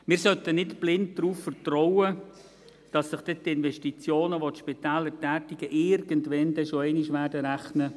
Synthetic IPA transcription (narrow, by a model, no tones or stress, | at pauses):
mɪːɾsœtənɪtb̥lɪnt̚d̥ɾuːffərtɾɔwə | d̥ɑsːɪχd̥ɛtɪnvɛʃtit͡sjoːnəʋotʃpitɛːlːəɾtæːtɪɡəʔɪɾɡ̥əntʋɛnd̪ɛʃoɛɪnɪʃʋæːrdəɾæχnə